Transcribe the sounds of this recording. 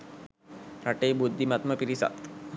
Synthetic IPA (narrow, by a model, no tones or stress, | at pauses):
ɾaʈeːbud̪ʱːimat̪məpiɾisa̰t̪